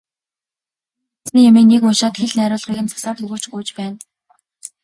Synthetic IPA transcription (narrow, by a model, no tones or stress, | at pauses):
snɘ̆ŋjameːnːekmʊʃaːt̪xeɮnæːɾʲʊːɮʁiːɣɘ̆nt͡sḁsaːt̪ɵɣuːt͡ɕɡuːt͡ɕpæːn